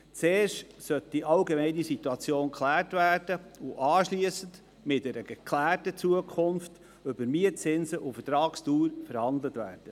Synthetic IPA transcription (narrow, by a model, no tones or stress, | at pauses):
t͡seːrʃt | sœt̚d̥iʔɑʊɡemɛɪnisituɑt͡sjoːnkχlæːrtvæːrd̥əʊʔɑːʃliəsən̩d | mɪt̚dɛɾəɡɛkʰlæːrtət͡suəkʰʊnft | øbəɾmiət͡sɪnsəʔufətɾɑːkstuːɾfəɾhɑndlətvæ̰ːrd̥ə